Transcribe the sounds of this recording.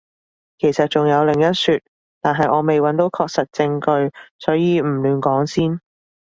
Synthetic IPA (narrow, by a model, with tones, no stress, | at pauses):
kʰe˨˩jsɐ˨t̚t͡ʃʊ˨˩ŋjɐ˨˧wlɪ˨˩ŋjɐ˥tsyː˨˧t̚ | t̪aː˨˩nɦɐ˨jʔɔː˨˧me˨jwɐ˨˥nt̪o˨˥wkʰɔː˧k̚sɐ˨t̚t͡sɪ˧ŋkɵ˧ɥsɔː˨˥jiː˨˧m̩˨˩lyː˨˧nkɔː˨˥ŋsiː˥n